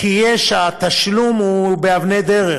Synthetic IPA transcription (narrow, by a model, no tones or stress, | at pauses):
kijeʃat̪aʃlumubeavned̪eʁe